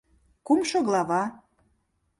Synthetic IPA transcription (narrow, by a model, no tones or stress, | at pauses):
kumʃoɣlɑβɑ